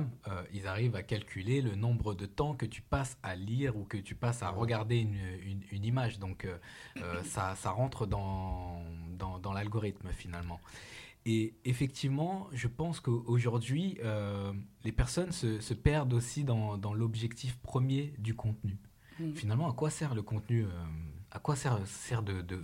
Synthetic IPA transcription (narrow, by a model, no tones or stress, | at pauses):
møilzaʁivakalkʲʰylelənɔ̃bʁəd̪ət̪ɑ̃kət̪y̥pasaliʁukət̪ypasaʁəɡaʁd̪eynynynimaʒd̪ɔ̃køøsasaʁɑ̃t̪χəd̪ɑ̃ | d̪ɑ̃d̪ɑ̃lalɡɔʁit̪mfinalmɑ̃ | eefɛk̚t̪ʰivmɑ̃ʒəpɑ̃skoʔoʒuʁd̪ɥiølepɛʁsɔnsəsəpɛʁd̪osid̪ɑ̃d̪ɑ̃lɔbʒɛkt̪ʰifpχəmjed̪ykɔ̃t̪ny | finalmɑ̃akwasɛʁləkɔ̃t̪nyøakwasɛʁsɛʁd̪əd̪ə